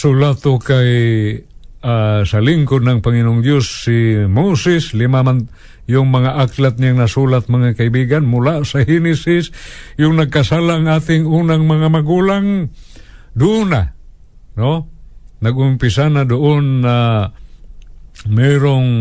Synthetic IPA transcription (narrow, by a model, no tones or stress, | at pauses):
sʊlat̪okaj | asaliŋkod̪̚naŋpaŋɪnoʔŋd̪josːimosɪslɪmaman | jʊŋmaŋaʔaklat̪̚ɲaŋnasulat̪̚maŋakaibiɡanmʊlaʔsahinɪsɪsjʊŋnɐɡ̚kasaːlaŋaːt̪ɪŋuːnaŋmaŋamaɡuːlaŋ | d̪una | nonaɡʊmpɪsanad̪ʊʔonːa | mɛɾoŋ